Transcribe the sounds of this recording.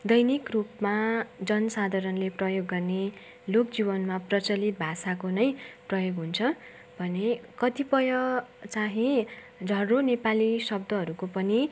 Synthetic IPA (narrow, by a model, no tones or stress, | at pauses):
d̪ʌjnikrupmad͡zʌnʌsad̪ʱaɾʌnleprʌjoɡːʌrne | lokd͡zibʌnmaprʌt͡sʌlit̪̚bʱasakonʌjprʌjoɡɦunt͡sʰʌ | bʱʌnekʌt̪ipʌjʌt͡saɦĩ | d͡zʱʌronepalisʌb̚d̪ʌɦʌɾukopʌni